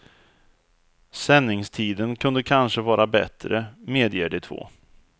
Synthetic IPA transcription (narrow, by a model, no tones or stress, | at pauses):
sɛnːɪŋst̪ʰiːd̪ənkʰɵnd̪əkʰanʂəvɑːɾabɛ̰t̪ɾəmeːd̪jeːɖɛt̪ʰvo̰ː